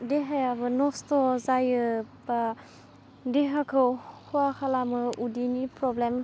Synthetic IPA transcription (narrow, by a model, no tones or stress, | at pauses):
deɦajabɯnɔstɔzajɯba | deɦakʰɯwhʰuakʰalamɯudinipɾɔblem